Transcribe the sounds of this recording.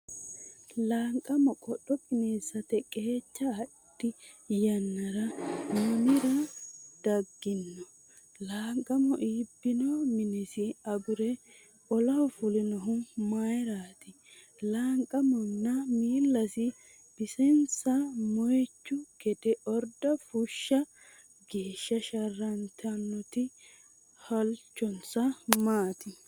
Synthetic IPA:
laːŋkʼɐmɔkʼɔɗːɔkʼɪneːsɐt̪ɛkʼe̞ːt͡ʃːɐː | d̪̥ːɪjɐnːɐɾɐmʊnɪɾɐd̪̥ɐɡːɪnːɔ | laːŋkʼːɐmɔʔiːbːɪnɔmɪnɪsɪɐɡʊɾɛ | ɔlɐwɔfʊlɪnɔɦʊnmajɾaːt̪ɪ | laːŋkʼːɐmɔnːɐmiːlːɐsɪ | b̥ɪsɛnt͡sːɐmɔjt͡ʃːʊɡ̥ɛd̪ɛʔɔɾd̪ɐfʊʃːɐ | ɡeːʃːɐʃɐrɐnt̪ʰɐnːɔt̪ɪ | hɐlt͡ʃːɔnt͡sɐmaːt̪ɪ

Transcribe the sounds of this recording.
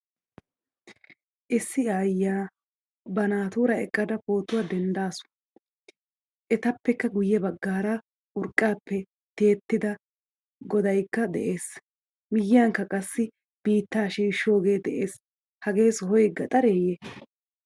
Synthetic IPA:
ʔɪsːɪaːjːaː | bɐnaːt̪uːɾɐɛ̰kʼːɐd̪ɐpo̞ːt̪ːʊwad̪ɛnd̪aːsʊ̥ | ʔɛt̪ɐpːɛkːɐɡʊjːɛbɐɡːaːɾɐ | ʔʊɾkʼːaːpːɛ | t̪e̞ːt̪ːɪd̪ɐ | ɡɔd̪ɐjkːɐd̪ɛ̰ʔe̞ːs | mɪjːɪjaŋkːɐkʼɐsːɪ | b̥iːt̪ːaːʃiːʃːo̞ːɡe̞ːd̪ɛʔeːs | hɐɡe̞ːsɔɦɔjɡːɐt̪ʼɐɾeːjɛ

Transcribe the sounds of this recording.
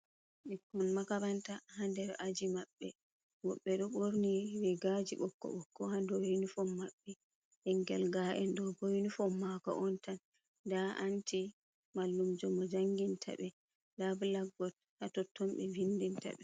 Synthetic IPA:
ɓikːɔnmakaɾantahandɛɾʔad͡ʒimaɓːɛ | wɔɓːɛɗɔɓoɾniwɛɡad͡ʒiɓɔkːɔ̰ɓɔkːɔhandɔwenifɔmːaɓːɛ | ʔɛŋɡɛ̰lɡaʔɛndɔbojnifɔmːakɔ̰ʔɔntan | daʔanti | malːumd͡ʒɔmɔd͡ʒaŋɡintʰa̰ɓɛ | dablaɡːɔt̚ | hatɔtʰːɔmɓɛvindinta̰ɓɛ

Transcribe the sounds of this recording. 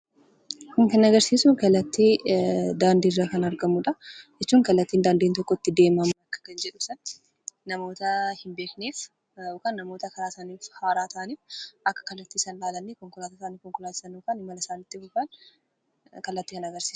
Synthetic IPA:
hʊmkɐnːɐɡɐɾsiːsʊŋkɐlːɐt̪ːid̪aːnd̪iːɪrːaːkɐnɐɾɡɐmuᶑɐd͡ʒɛtt͡ʃːuːŋkɐlːɐt̪ːiːnd̪aːnd̪iːnt̪ɔkːɔɪt̪ːɪd̪e̞ːmɐmɐnɐkːɐ̥kɐnd͡ʒɛᶑʊsɐnː | ɐmo̞ːt̪ɐhɪmbe̞ːkneːf | okanːɐmoːt̪ɐkɐɾaːt̪aːniːfhaːɾaːt̪ʰɐaɐniːfʔɐkːɐ̥kɐlːɐt̪ːɪːsaːnlaːlɐnːekɔŋkʊlaːt̪ɐsaːnɪkɔŋkʊlaːt̪ɪ̥sɐnːoːkanɪmɐlɐsaːnɪt̪ːɪhʊbɐn | kɐlːɐt̪ːɪkɐnɐɡɐɾsi̥ː

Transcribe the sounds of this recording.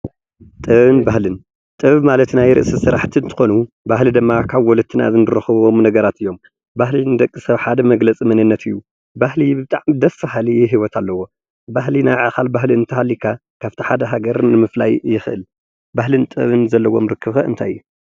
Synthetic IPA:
t̪ʼɨβɨnbahlɨn | t̪ʼɨβmalɐt̪najɾɨ̰ʔsisɨɾaħt̪ʰint̪ʰɨ̥xo̞nu | bahlid̪ɨmːakʰaβwɔlɨt̪ʰːɨna̰zɨnɨɾɐxɨβomnɐɡɐɾat̪ʰɨjːo̞m | bahlinɨd̪ɐkʼːɨsɐβħad̪ɐmɐɡlɐt͡sʼimɐnɨnːɐt̪ʰɨjːu | bahlibɨt̪ʼaʕmd̪ɐffahaliɛɦiwɔt̪ʰalːɐwo̞ | baɦlinaʕaxalbaɦlinɨt̪ʰɐhalːikʰa | kʰaβt̪ʰiħad̪ɐɦaɡɐɾnɨmɨfla̰jːɪxɨʔɨ̰l | bahlɨnt̪ʼɨβɨnzɐlːɐwo̞mɾɨkʰːɨβxɐʔɨnt̪ʰa̰jjːu

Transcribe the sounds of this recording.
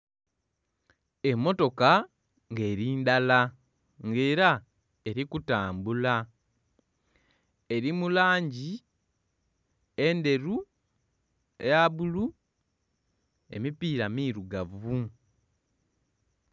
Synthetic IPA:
e̞mːo̞to̞ka | ŋɡe̞ːɾiːndala | ŋɡe̞ːɾa | e̞ɾikutaːmbula | e̞ɾimulaːɲɟi | e̞nde̞ɾu | ejaβulu | e̞̰mipiːɾamiːɾuɡavu

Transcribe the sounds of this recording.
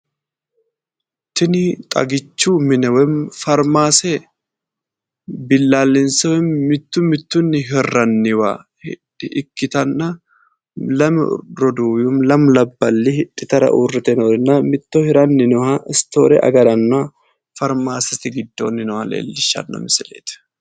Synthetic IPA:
t̪ɪnɪt̪ʼɐ̰ɡɪt͡ʃːuːmɪnɛwɛmfɐɾmaːsɛ | bɪlːaːlːɪnsɐwɛmːɪt̪ːʊmɪt̪ːʊnːɪɦɛrːɐnːɪwa̰hɪ̰ᶑɪʔɪkːɪt̪ɐnːɐ | lɐmɾɔd̪ujumlɐmlɐbːɐlːɪhɪᶑːɪt̪ɐɾɐ̰ʔuːrɛt̪ɛnoɾɪnːɐmɪt̪ːohɪɾɐnːɪnɔhɐʔɪst̪o̰ːɾɛ̰ʔɐ̰ɡɐɾɐnːʊa | fɐɾmaːsɛt̪ɪɡɪd̪ːo̰ːnɪnɔhɐlḛːlːɪʃːɐ̰nːɐ̰mɪsɪlḛːt̪

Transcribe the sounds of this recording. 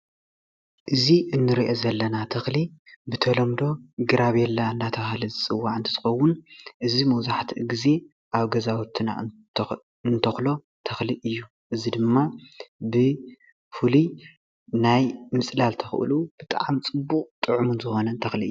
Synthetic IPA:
ʔɨziʔɨnːɨɾiʔozɐlːɐnat̪ʰɐxlibɨt̪ʰɐlɐmd̪o̞ɡɨɾaβɛlːaɨnd̪at̪ʰɐhalɐzɨt͡sʼɨwːaʕɨnt̪ʰɨzɨxɐwːʊnʔɨzimɐwzaħt̪ʰiʔɨɡize̞ | ʔaβɡɐzawt̪ʰːna̰ | ɨnt̪ʰɐxlo̞ | t̪ʰɐxliʔɨjːu | ʔɨzid̪ɨmːabɨ | fuli | najmɨt͡sʼlalt̪ʰɐxʔɨ̰lub̥ɨt̪ʼa̰ʕmt͡sʼɨbːukʼt̪ʼɨʕumunzɨxo̞nɐnt̪ʰɐxliʔɨ̰ju

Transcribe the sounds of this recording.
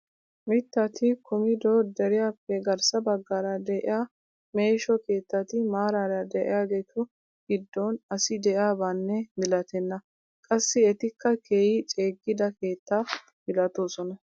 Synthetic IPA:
mɪt̪ːɐt̪ɪkʰʊmɪd̪oːd̪ɛɾɪjaːpːɛɡɐɾsɐbɐɡːaːɾɐd̪ɛʔɪ̰jaː | meːʃɔke̞ːt̪ːɐt̪ɪmaːɾaɾɐd̪ɛʔɪ̰jaːɡeːt̪ʊ | ɡ̥ɪd̪ːoːnɐsɪd̪ɛʔjaːbaːnːɛmɪlɐt̪ɛnːɐ | kʼɐsːɪɛt̪ɪkʰːɐkʰeːjɪt͡ʃʼeːɡːɪd̪ɐke̞ːt̪ːa | mɪlɐt̪oːsɔnɐ

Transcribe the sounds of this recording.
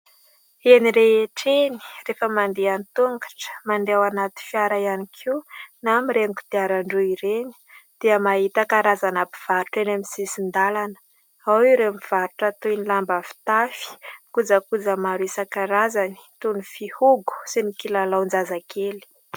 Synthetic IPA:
eniɾeeʈ͡ʂeni̥refəmand̪eanit̪uŋɡḁʈ͡ʂə̥mand̪ewanat̪i̥fiaɾajanikʰinamiɾeŋku̥t̪iaɾaɳɖ͡ʐuiɾeni̥d̪̥eəmaɦit̪akaɾazanapi̥v̥aɾuʈ͡ʂenamisisind̪alanə̥ | awiɾemiv̥aɾuʈ͡ʂat̪uinilambafi̥t̪afi̥kud͡zakud͡zəmaɾuisakaɾazani̥t̪unifihuɡu̥sinikilalawnd͡zazakʰeli̥

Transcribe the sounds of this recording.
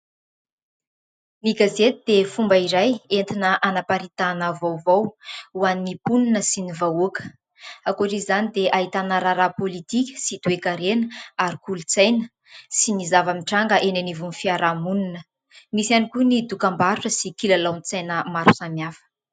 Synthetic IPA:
niɡazet̪id̪efumbəiɾajent̪inəʔanapaɾit̪anavowvowuaninipuninəsinivaukə̥ | akoʈ͡ʂizanid̪eʔaɦit̪anaɾaɾapolit̪ikʲə̥sit̪uekaɾenəaɾikulut͡sajnə | sinizavamiʈ͡ʂaŋɡəʔenanivunfiaɾamuninə | misanikunid̪ukambaɾuʈ͡ʂəsikilalawnit͡sajnəmaɾusamjafə̥

